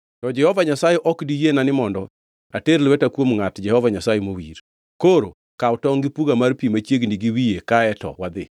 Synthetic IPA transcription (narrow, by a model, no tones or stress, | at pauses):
tɔd͡ʒɛhɔvaɲasajɛʔɔkdijenanɪmɔndɔ | ateɾlwɛtakwomŋatd͡ʒɛhɔvaɲasajemowiɾ | koɾo̰ | kaʊtɔŋɡɪpuɡamaɾpimat͡ʃjeɡniɡiwijekaɛtɔ̰wad̪ɪ̰